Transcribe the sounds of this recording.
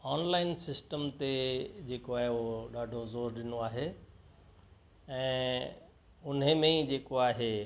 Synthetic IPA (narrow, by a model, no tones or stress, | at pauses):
aːnlaːɪnsɪsʈəmt̪ed͡ʑeːkoaːɦeɦoɗaːɖʱozoːɾɗɪnoaːɦeː | ɛ̃ː | ʊn̤əmẽid͡ʑeːkoaːɦeː